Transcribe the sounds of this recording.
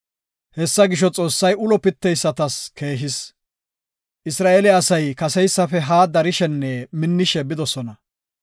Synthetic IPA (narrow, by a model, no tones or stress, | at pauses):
hɛsːɐɡɪʃ̬ɔt͡sʼo̞ːsːɐjʊlɔpɪt̪ːɛjsːɐt̪ɐskʰe̞ːɦɪs | ʔɪsɾaːʔɛlɛɐsɐjkɐsɛjsːɐfɛɦaːd̪ɐɾɪʃɛnːɛmɪnːɪʃɛbɪd̪ɔsɔnɐ